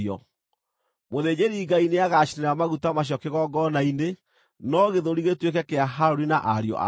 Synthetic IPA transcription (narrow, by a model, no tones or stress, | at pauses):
ɔ̰ | moðed͡ʑeɾiːɡaineaɣaʃineɾamaɣutamaɕ̬jɔkeɣɔɡɔnaine | nɔɣeðoɾiɣetwekɛkeaɦaɾoɾinaʔaɾjɔ̰ʔa̰